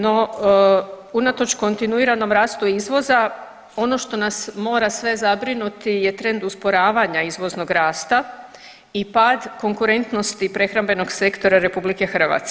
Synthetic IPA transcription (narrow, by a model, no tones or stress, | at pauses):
no̞ | unat̪o̞t͡ʃko̞nt̪inuiɾano̞mɾaːst̪uizʋo̞za | o̞no̞ʃt̪o̞nasmo̞ːɾasʋe̞zabɾinut̪ije̞t̪ɾe̞nd̪uspo̞ɾaːʋaɲaizʋo̞zno̞ɡɾaːst̪a | ipad̪ko̞ŋkuɾe̞nt̪no̞st̪ipɾe̞xɾambe̞no̞ɡse̞kt̪o̞ɾaɾe̞publike̞xr̩ʋa̰ːt̪sk